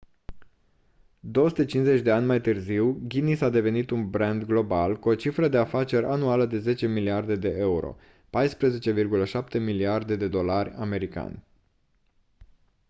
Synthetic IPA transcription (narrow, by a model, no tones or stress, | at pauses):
d̪o̞wsut̪et͡ʃinze̞t͡ʃʲd̪e̞anʲmajt̪ɨrziwɡʲinisad̪e̞ve̞nit̪unbɾend̪ɡlo̞balkuo̞t͡ʃifɾəd̪e̞afat͡ʃe̞ɾʲʔanualəd̪e̞ze̞t͡ʃe̞miliard̪e̞d̪e̞ʔe̞uɾo̞̰ | pajspɾəze̞t͡ʃe̞virɡuləʃap̚t̪e̞miliard̪e̞d̪e̞d̪o̞larʲame̞ɾika̰nʲ